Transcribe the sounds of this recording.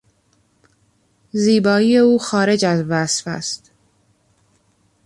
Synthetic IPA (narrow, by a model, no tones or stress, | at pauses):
ziːbɒːiːje̞uːxɒːɾe̞d͡ʒæzvæsfæ̰st̪